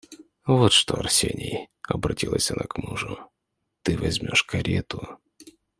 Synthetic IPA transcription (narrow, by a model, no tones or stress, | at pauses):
vot̪ʂt̪oɐrsʲenʲɪj | ɐbɾɐtʲilˠəsʲɐnʔakmuʐʊ | t̪ɨvɐzʲmʲoʂkɐɾʲet̪ʊ